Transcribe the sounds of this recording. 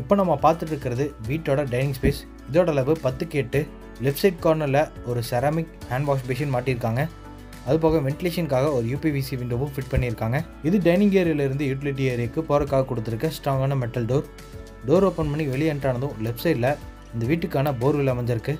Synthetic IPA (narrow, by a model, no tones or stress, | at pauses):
ɪpːoːnɐmːɐpaːɾt̪ɯʈːɪɾɯkːɪɾɐðɯʋiːʈːoːɽɐɖɐɪnɪ̃ŋspeːs | ɪðoːɽɐlɐʋɯpɐt̪ːɯkːeːʈːɯ | lɛpsɐɪʈ̚koːɾnɐɾlɐɔɾɯsɐɾaːmɪkhaːɳɖʋaːs̬beːʃ̬ɐnmaːʈːɪɪɾɯkːaːŋɡɐ | ɐðɯp̬oːɣɐ̃ʋɛɳʈɪleːʂɐnkaːɣɐɔɾɯjuːpiʋiːsiʋɪɳɖoːʋɯ̃fɪʈ̚pɐɳːɪɪɾɯkːaːŋɡɐ | ɪðɯɖɐɪnɪŋɡeːɾɪjɐlɪɾɯnd̪ɯjuːʈ̬ɪlɪʈ̬ːieːɾɪjɐkːɯpoːɾɐkːaːɣɐkːɔɽɯt̪ːɯɾɯkːɐsʈɾaːŋɡaːnɐmɛʈːɐlɖoːɾ | ɖoːɾoːpɐnpɐɳːiʋɛɭɪjɐɳʈɾaːnɐðʊ̃lɛpsɐɪʈlɐ | ɪnd̪ɐʋiːʈːɯkːaːnɐboːɾʋɪlɐmɐɲd͡ʒɪɾɯkːɯ